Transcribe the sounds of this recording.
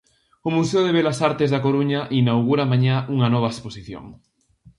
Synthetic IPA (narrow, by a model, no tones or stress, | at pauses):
ʊmuseʊðeβelasaɾt̪ezðakoɾuɲaʔinawɣuɾamaɲauŋɐnɔβ̞ɐesposiθjo̰ŋ